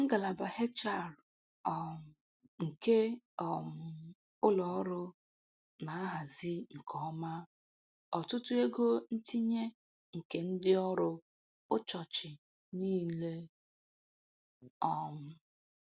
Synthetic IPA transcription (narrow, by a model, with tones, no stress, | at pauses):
ŋ̩˦ɡa˨la˨ba˨he˦t͡ʃa˦˨ɾ | ɔ˨m̩˨ | ŋ̩˨ke˦ | ɔ˨m̩˨ | ʊ˦lɔ˨ɔ˦ɾʊ˦ | na˨a˦ɦa˨zi˦ŋ̩˨kʰɔ˨ɔ˦ma˦ | ɔ˨tʊ˦tʊ˦e˦ɡo˦n̩˦tʰi˦ɲe˦ | ŋ̩˨ke˨n̩˦dɪ˦ɔ˦ɾʊ˦ | ʊ˦t͡ʃɔ˨t͡ʃɪ˨ | niː˦le˦ | ɔ˦m̩˨